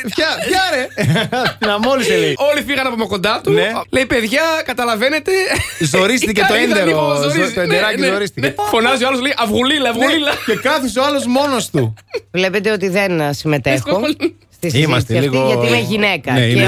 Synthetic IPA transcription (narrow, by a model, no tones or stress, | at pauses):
pçɐpçɐɾe | t̪inɐmoliseleio̞lifiɣɐnɐpomeko̞nd̪ɐt̪unele̞jpe̞ðʝɐkɐt̪ɐlɐve̞ne̞t̪e̞zoɾist̪icet̪o̞end̪eɾozot̪oend̪eɾɐcizoɾist̪icefo̞nɐzioɐloslejʔɐvɣulilɐɐvɣulilɐce̞kɐθis̬oɐlo̞zmo̞nost̪uvle̞pe̞t̪eo̞t̪iðe̞nsimet̪exost̪isimmɐst̪eliɣʝɐt̪iimeʝine̞kɐnei